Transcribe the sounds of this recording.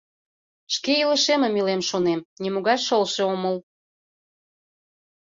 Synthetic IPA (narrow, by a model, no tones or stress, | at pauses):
ʃkeilə̆ʃeməmilemʃonemnʲimoɣɑjʃəlʃeoməl